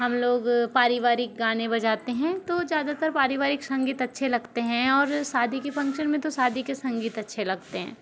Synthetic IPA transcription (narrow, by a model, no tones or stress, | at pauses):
ɦɐmloːɡpaːɾɪʋaːɾɪk̚ɡaːnẽbɐd͡ʒaːt̪eɦɛ̃t̪ozjaːd̪at̪əɾpaːɾɪʋaːɾɪksɐ̃ŋɡiːt̪ɐtːʃʰelɐɡt̪eɦɛ̃ɔːɾsaːd̪ʱikefɐ̃ŋkʃənmẽt̪osaːd̪ʱikesɐ̃ŋɡiːt̪ɐtːʃʰelɐɡ̚t̪eɦɛ̰̃ː